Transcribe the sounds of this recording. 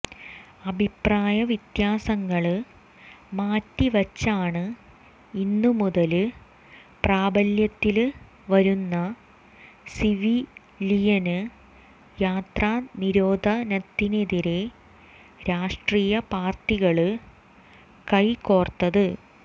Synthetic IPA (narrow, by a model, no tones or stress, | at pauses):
ɐbʱipraːjɐʋit̪jaːsɐŋːɐɭɨ | maːtːiʋɐt͡ɕːaːɳɨ | inːumuðɐlɨ | praːbɐljɐt̪ːil | ʋɐɾunːɐ | siʋi | lijɐnɨ | jaːt̪raːniɾoːd̪ʱɐnɐt̪ːineðiɾe̞ | ɾaːʂʈriːjɐpaːrtiɣɐɭɨ | kɐjkoːrt̪ːɐðɨ